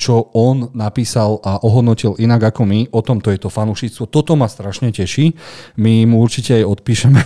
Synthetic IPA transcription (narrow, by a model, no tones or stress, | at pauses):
t͡ʃɔɔnnapiːsalʔaʔɔɦɔd̪nɔcilʔinaɡakɔmiʔɔt̪ɔmt̪ɔjɛt̪ɔfanuʃiːt͡st̪ʋɔt̪ɔt̪ɔmast̪ɾaʃɲɛcɛʃimimuuɾt͡ʃicɛajɔt̪̚piːʃɛmɛ